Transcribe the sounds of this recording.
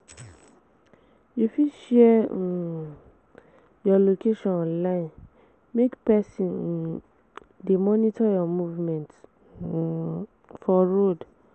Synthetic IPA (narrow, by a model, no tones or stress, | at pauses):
jufiʃɛ | jɔlokeʃɔ̃ɔ̃nlaĩn | mekpɛsĩ | demɔ̃nitʰajɔmuvmɛ̃nt | fɔɾod